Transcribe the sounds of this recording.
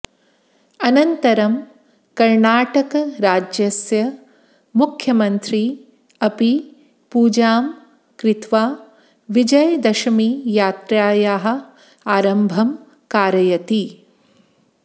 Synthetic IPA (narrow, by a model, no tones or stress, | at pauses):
ɐnɐnt̪ɐɾɐm | kɐɾɳaːʈɐkɐɾaːd͡ʒjɐsjɐ | mukʰjɐmɐnt̪ɾi | ɐpi | puːd͡ʒaːm | kɾɪt̪ʋaː | ʋid͡ʒɐjɐd̪ɐʃɐmijaːt̪ɾaːjaːɦɐ̆ | aːɾɐmbʱɐm | kaːɾɐjɐt̪i